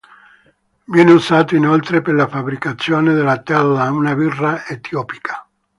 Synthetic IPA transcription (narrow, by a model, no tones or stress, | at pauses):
vjɛːneuzaːt̪oinolt̪ɾepelafabɾikat̪sːjoːned̪elːat̪ɛlːaunabirːaet̪ʰjɔːpi̥kʰḁ